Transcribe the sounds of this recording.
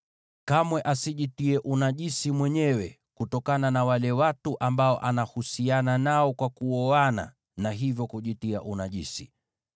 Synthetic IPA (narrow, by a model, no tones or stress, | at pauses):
kamwɛʔasiʄitiɛʔunaʄisimwɛɲɛwɛ | kutɔkananawalɛwatuʔambaɔʔanahusiananaɔkwakuɔana̰ | naɦivjɔkuʄitia̰ʔunaʄisḭ